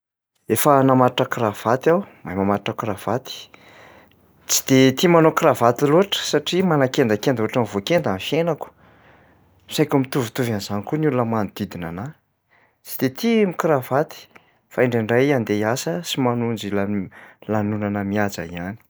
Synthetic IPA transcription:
efənamaɾiʈ͡ʂəkrav̥at̪awmajmamaɾiʈ͡ʂəkrav̥at̪i̥ | t͡si̥d̪̥et̪imanokravat̪iluɦaʈ͡ʂə̥saʈ͡ʂimanakend̪akend̪oaʈ͡ʂanvokend̪amifjenaku̥ | sajkʲumit̪uvut̪uvanizanikunulunəmanid̪̥id̪inana | t͡si̥d̪̥et̪ʰimikravat̪i̥ | faeɳɖ͡ʐiɳɖ͡ʐajand̪easəsimanund͡ʒilalanunanəmiad͡za̰iani̥

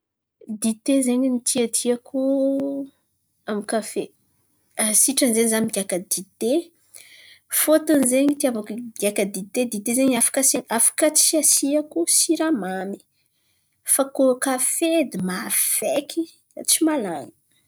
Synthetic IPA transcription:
d̪it̪ezeɲinit̪ʰiat̪ʰiaku | amikafe | asiʈ͡ʂənzenzamiɡʲakəd̪it̪e | fot̪unzeɲit̪iavakuɡakad̪it̪ed̪it̪ezeɲafḁkaseɲafḁkət͡siasiakusiɾamami̥ | fakokafed̪imav̥ekʰi | at͡simalaŋə̥

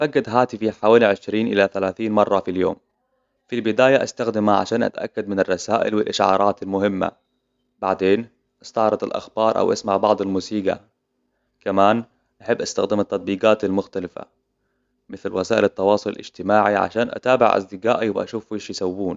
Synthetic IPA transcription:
faɡːad̪ɦaːt̪ɪfiħawaːliʕɪʃɾiːnʔɪlaθalaːθiːnmɑrˤːɑfiljo̰ːm | filbɪd̪aːjaʔast̪axd̪ɪmaʕa̰ʃaːnʔa̰t̪aʔa̰kːad̪mɪnɪrˤːɑsaːʔɪ̰lwɪlʔaʃʕɑ̰ːɾˤɑːt̪almʊhɪmːa̰ | baʕd̪eːn | ʔɪst̪ɑʕɾˤɑt̪a̰lʔa̰xb̥ɑːɾˤʔa̰wʔasmaʕbɑʕd̪ˤalmuːsiːɡa̰ | kamaːn | ʔaħɪbːʔast̪axd̪ɪmat̪ːɑt̪̚ˤbiːɡaːt̪almʊxt̪alɪfa̰ | mɪθlwasaːʔɪlɑt̪ːɑwɑːsˤʊla̰lɪ̰d͡ʒt̪ɪmaːʕiʕa̰ʃaːnʔa̰t̪aːbɪ̰ʕʔa̰sd̪ɪɡaːʔiwʔa̰ʃuːfwɪʃjsawːuːn

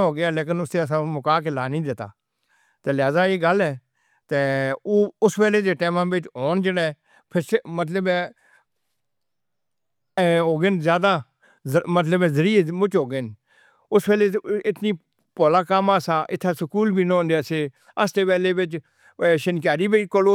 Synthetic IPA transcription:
ɦoːɡɪjaːleːk̬ɪnʊst̪eːəs̬ãːmʊkaːk̬elaːnĩːd̪ɪt̪a̰ː | t̪eːlɪɦaːzaːeːɡəlɛː | t̪eːoːʊspɛːleːd̪eːʈɛːmãːbɪt͡ʃɦoːnd͡ʒəɽɛ̃ː | pʰɪɾsmət̪ləbɛ̃ː | ɦoːɡenzjaːd̪aː | mət̪ləbɛ̃ːzəɾiːmʊt͡ʃɦoːɡen | ʊspɛːleːɪt̪niː | poːlaːkamaːsaːʔɪt̪ʰːaːsəkuːlbʱiːnõːnd̪eːseː | əst̪eːpɛːleːbɪt͡ʃ | ʃənk̬aːɾiːbikoloː

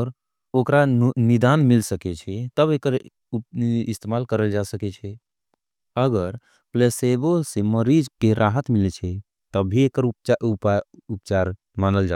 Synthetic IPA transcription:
ɔɾ | okɾanid̪anmilsəkɛt͡ʃʰɛt̪əbekəɾ | ist̪emalkəɾəld͡ʒasəkɛt͡ʃʰɛ | əɡəɾ | pleseboseməɾid͡ʒkeɾʔaɦət̪milt͡ʃʰɛ | t̪əbʱiekəɾupt͡ʃapupt͡ʃaɾ | manəld͡ʒa

